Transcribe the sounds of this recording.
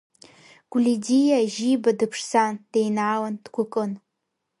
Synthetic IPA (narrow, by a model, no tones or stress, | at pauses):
ɡ̥ʷlidijaʒibadɨpʰʂsand̥ejnaːwandɡʷʰʊkʼɨn